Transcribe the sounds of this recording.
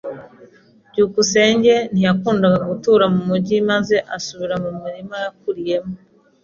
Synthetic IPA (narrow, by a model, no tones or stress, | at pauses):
ɟuːkuse̞ːɲɟe̞n̥ijakuːndaɡaɡutuːɾamumuɟimaze̞ʔasuβiɾamumuɾimajak̚uɾije̞mo